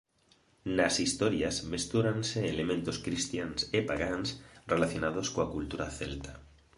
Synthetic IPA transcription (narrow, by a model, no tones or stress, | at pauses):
nasist̪oɾjazmest̪uɾanseːlemẽnt̪oskɾist̪jansepaɣansrelaθjonað̞oskoakult̪uɾaθḛlt̪ḁ